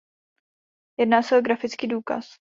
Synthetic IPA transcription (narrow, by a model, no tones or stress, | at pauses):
jɛdnaːsɛoɡɾafɪt͡skiːduːka̰s